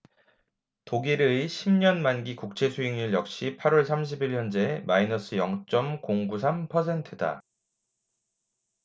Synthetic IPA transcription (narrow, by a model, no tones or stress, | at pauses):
toɡiɾiɕʰimɲʌnmanɡikuk̚t͡ɕ͈e̞sʰuiŋɲɯɭjʌk̚ɕ͈ipʰaɾwʌɭs̬ʰamɕ̬ʰibiɭjʌnd͡ʑemainʌs͈ʰɯjʌŋt͡ɕ͈ʌmkoŋbusʰampʰʌsʰe̞ntʰɯda̰